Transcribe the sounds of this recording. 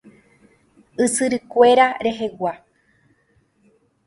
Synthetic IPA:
ɨsɨɾɨkʷe̞ɾaɾe̞ɦe̞wʷa

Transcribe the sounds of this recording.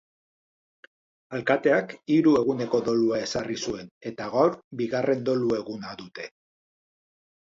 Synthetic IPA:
alkat̪e̞akiɾue̞ɣune̞ko̞ðo̞luae̞sarisue̞ne̞t̪aɣawɾbiɣarʔe̞nd̪o̞lue̞ɣunaðut̪e̞

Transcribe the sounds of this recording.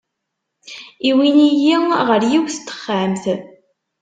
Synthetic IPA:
iwinijiʁəɾjiwθt̪ːə̥χːamθ

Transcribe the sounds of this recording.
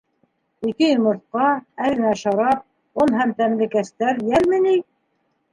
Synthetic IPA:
ikɘjɘ̆mŏɾt̪̚qɑæðɘ̆næʃɑɾɑp̚ | onɦæmt̪æmlɘ̆kæst̪æɾjælmɘ̆ni

